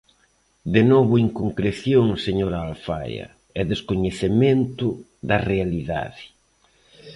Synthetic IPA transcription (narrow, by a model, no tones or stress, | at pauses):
d̪enɔβʊiŋkoŋkɾeθjoŋseɲoɾaːlfa̰jɐ̰ | ɛðeskoɲeθemẽnt̪ʊ | ðɐrealiða̰ðɪ